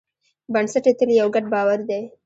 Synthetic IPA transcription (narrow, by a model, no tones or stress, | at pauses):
bansaʈet̪əljawɡaɖ̚bɑwaɾd̪e